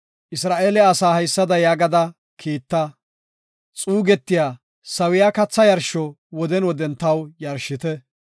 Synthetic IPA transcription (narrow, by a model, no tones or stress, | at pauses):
ʔɪsɾaːʔeːlɛɐsaːhɐjsːɐd̪ɐjaːɡɐd̪ɐ | kʰiːt̪ːɐ | t͡sʼuːɡɛt̪ːɪjaː | sɐwɪjakɐt͡sːɐjɐɾʃɔ | wɔd̪ɛnwɔd̪ɛnt̪ːɐwjɐɾʃɪt̪ɛ